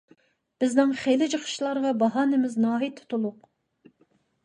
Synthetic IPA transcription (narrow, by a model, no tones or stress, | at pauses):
b̥ɪznɪŋχejlɪd͡ʒəχə̥ʃlˠɑɾʁɑbɑɦɑːnɪmɪznɑːɦit̪ʰʊ̥t̪ʰulˠʊq